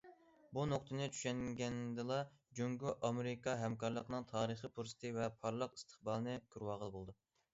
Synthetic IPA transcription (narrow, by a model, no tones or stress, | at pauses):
bunoqt̪ʰɨnɨt͡ʃʰy̥ʃɛŋɡʲɛnd̪ɨlˠɑd͡ʒøŋɡʲyʔɑmeɾɪkɑɦɛmkɑɾlˠəqnɨŋt̪ʰɑːɾəχipʰuɾsɨ̥t̪ʰɨvɛpʰɑɾlˠəqi̥st̪ʰə̥χbɑlˠɨnɨkʲʰyɾwɑːʁəlˠbolˠd̪u